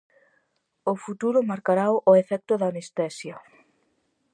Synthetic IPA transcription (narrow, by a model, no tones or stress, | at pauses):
ʊfut̪uɾʊmaɾkaɾawʔʊefɛk̚t̪ʊðanest̪ɛsja